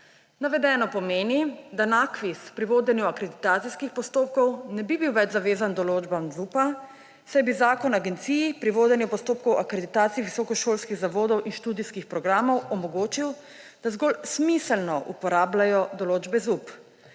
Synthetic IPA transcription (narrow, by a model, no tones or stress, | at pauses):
naʋɛd̪ɛːnɔpɔmeːnid̪anakʋispɾiʋoːd̪ɛnjuakɾɛd̪it̪aːt̪sijskixpɔst̪oːp̚kɔwnɛbibiwʋɛd͡ʒzaʋeːzand̪ɔloːd͡ʒbamzupa | sajbizaːkɔnaɡɛnt̪siːjipɾiʋoːd̪ɛnjɛpɔst̪oːp̚kɔwʔakɾɛd̪it̪aːt̪sijʋisɔkɔʃoːlskiɣzaʋoːd̪ɔwʔinʃt̪uːd̪iskixpɾɔɡɾaːmɔwɔmɔɡoːt͡ʃiw | d̪̥azɡɔlsmisɛlnɔʔupɔɾaːblajɔd̪ɔloːd͡ʒbɛzup